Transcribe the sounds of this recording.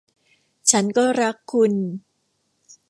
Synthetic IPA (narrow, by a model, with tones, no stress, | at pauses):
t͡ɕʰa˦˥nkɔː˥˩ɾa˦˥kʰːu˧n